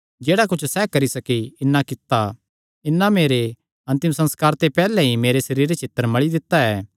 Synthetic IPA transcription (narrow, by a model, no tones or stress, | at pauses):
d͡ʒeːɽakʊt͡ʃʰsɛkɐɾisɐkiɪnːãkɪt̪ːa | ɪnːameːɾe | ɐ̃nt̪ɪ̃msɐ̃nskaːɾt̪epɛːlɛɦimeːɾesɐɾiːɾet͡ʃʰeːt̪ːəɾmɐɭid̪ɪt̪ːaɛː